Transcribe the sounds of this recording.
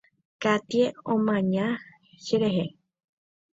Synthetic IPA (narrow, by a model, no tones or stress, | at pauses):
kat̪ieõmãɲã | ʃeɾeɦe